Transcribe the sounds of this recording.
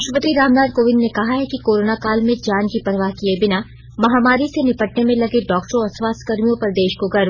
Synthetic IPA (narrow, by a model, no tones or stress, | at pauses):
ʃəpət̪iɾaːmnaːd̪̚koːʋɪ̃nːnekɐɦaɦɛkikoːɾoːnakaːlmẽd͡ʒaːnkipɾəʋaɦkiebɪna | mɐɦaːmaːɾisenɪpəʈnemẽlɐɡeɖɔːkʈɾõɔːɾswaːst̪ʰkɐɾmijõpɐɾd̪eːʃkoɡɐɾ